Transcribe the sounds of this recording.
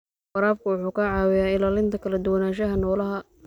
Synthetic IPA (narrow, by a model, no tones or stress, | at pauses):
fɑɾaːb̚kʰʊwʊħuːkɐʕaːwɪjaːɪlaːlɪnt̪ʰɐkʰɐlɐd̪ʊwɐnaːʃ̬ɐɦɐnɔːlɐɦɐ